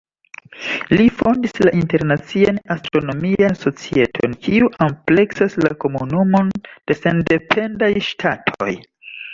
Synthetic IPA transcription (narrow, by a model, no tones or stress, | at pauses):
lifo̞ndislaʔinte̞ɾnat͡sianastɾo̞no̞mianso̞t͡sie̞tʰo̞̰nkiuʔample̞ksaslako̞munumo̞nd̥e̞sende̞pʰe̞ndajʃtʰatʰo̰j